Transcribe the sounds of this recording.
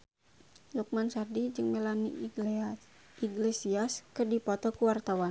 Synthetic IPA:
luk̚mansardid͡ʒɨŋmɛlani | iɡlesiaskɨrdipɔt̪ɔkuwart̪awan

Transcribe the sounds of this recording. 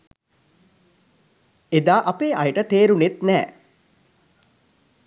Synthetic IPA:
ed̪aːʔɐpeːʔajəʈət̪eːɾunet̪nɛː

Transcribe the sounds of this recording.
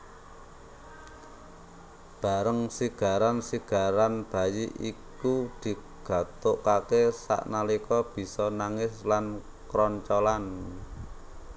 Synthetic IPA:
b̥a̤ɾəŋsiɡ̥a̤ɾansiɡ̥a̤ɾanb̥a̤jiʔikud̪̥i̤ | ɡ̥ä̤t̪oʔkakesa̰ʔnalikɔb̥i̤sɔnaŋɪslan | kɾɔɲt͡ʃɔlan

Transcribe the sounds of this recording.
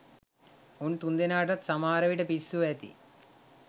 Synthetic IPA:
uɳt̪und̪inaːʈɐt̪sɐmaːɾɐʋiʈɐpisːuʋet̪ḭ

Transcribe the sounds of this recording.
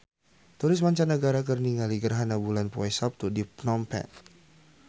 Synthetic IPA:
t̪uɾɪs̬maɲt͡ʃanːəɡaɾak̬ərniŋaliɡərɦanabulanpɔɛsap̚t̪udipnɔmpɛ̰

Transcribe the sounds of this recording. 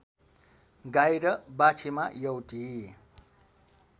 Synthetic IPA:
ɡajɾʌbat͡ʃʰimajʌwʈi

